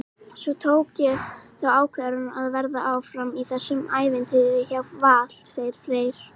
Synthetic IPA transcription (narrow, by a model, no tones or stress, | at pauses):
svɔt̪ʰoːwcʏθawaːwkʰvɛðɾanaðvɛɾðaʔawfɾamiθɛsːʏmaːjvɪnt̪ɪðɪçavvaːl̥seːjɪɾ̥fɾeːjɾ̥